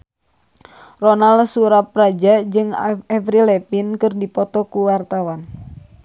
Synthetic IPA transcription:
rɔnalsuɾap̚rad͡ʒad͡ʒɨŋɛvɾilɛpinkɨrdipɔt̪ɔkuwart̪awan

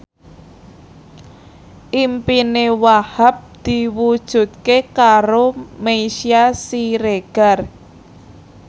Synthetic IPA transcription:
ʔimpinewahap̚d̪̥i̤wud̥ʒ̥ṳt̪̚kekaɾomejʃiasiɾeɡ̥a̤r

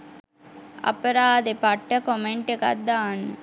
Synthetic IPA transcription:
ɐ̰pəɾaːd̪epaʈːəkomeɳʈeka̰t̪d̪aːnːə

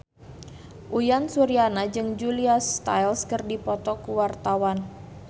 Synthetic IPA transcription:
ʔujansuɾianad͡ʒɨŋd͡ʒuliast̪a̰jlskɨrdipɔt̪ɔkuwart̪awan

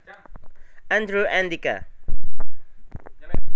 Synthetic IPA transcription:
ãndɹuʔɛ̃ndika̰

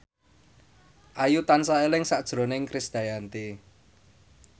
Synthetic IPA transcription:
ʔajut̪ansaelɪŋsaʔd̥ʒ̥ɾo̤nɪŋkɾɪsd̪̥a̤jant̪i

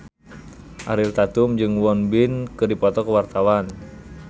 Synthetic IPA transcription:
ʔaɾilt̪at̪umd͡ʒɨŋwɔnbinkɨrdipɔt̪ɔkəwart̪awan

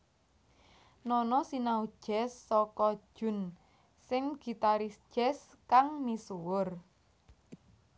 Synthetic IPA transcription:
nɔnɔsinaud̥ʒ̥ɛsːɔkɔ̥ʒ̥ʊ̤n | sɪŋɡ̥i̤t̪aɾisʒ̥ɛs | kaŋnisuwʊr

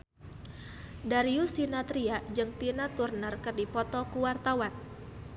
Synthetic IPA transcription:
daɾiusinat̪ɾiad͡ʒɨŋt̪inat̪urnərkərdipɔt̪ɔkuwart̪awan

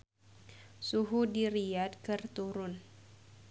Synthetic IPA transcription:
suɦudiɾiad̚kɨrt̪uɾʊn

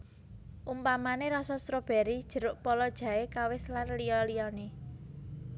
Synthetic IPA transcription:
ʔumpamaneɾɔsɔst̪ɾob̥ɛ̤ɾid̥ʒ̥ə̤ɾʊʔpɔlɔd̥ʒ̥ä̤ekawɪslarlijɔlijɔne

